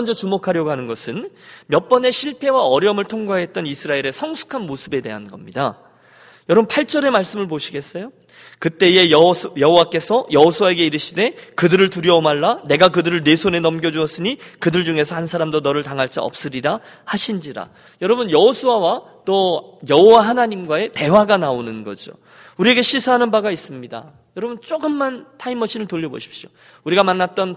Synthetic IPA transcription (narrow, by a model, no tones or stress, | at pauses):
ʌnd͡ʑʌt͡ɕumokʰaɾjʌɡoɦanɯnɡʌsʰɯnmjʌp͈ʌne̞ɕʰiɭpʰe̞waʌɾjʌmɯɭtʰoŋɡaɦe̞t̚t͈ʌnisʰɯɾaeɾe̞sʰʌŋsʰu̥kʰanmosʰɯbe̞de̞̰ɦanɡʌmɲida | jʌɾʌbɯnpʰaɭt͡ɕ͈ʌɾe̞maɭs͈ɯmɯɭpoɕʰiɡe̞s͈ʌjo | kɯt͈e̞ejʌɦowak͈e̞sʰʌjʌɦosʰuae̞ɡeiɾɯɕʰide̞kɯdɯɾɯɭtuɾjʌomaɭːane̞ɡakɯdɯɾɯɭne̞sʰone̞nʌmɡjʌd͡ʑuʌs͈ɯɲikɯdɯɭd͡ʑuŋe̞sʰʌhansʰaɾamdonʌɾɯɭtaŋɦaɭt͡ɕ͈iʌ̰p̚s͈ɯɾiɾa | haɕʰind͡ʑiɾa̰ | jʌɾʌbɯnjʌɦosʰuawa | t͈ojʌɦowaɦanaɲimɡwae̞te̞waɡanaonɯnɡʌd͡ʑo̰ | uɾie̞ɡe̞ɕʰisʰaɦanɯnbaɡais͈ɯmɲida̰ | jʌɾʌbunt͡ɕ͈oɡɯmːantʰaimʌɕʰinɯɭtoʎːʌbo̰ɕʰi̥p̚ɕ͈io | uɾiɡamanːat̚t͈ʌn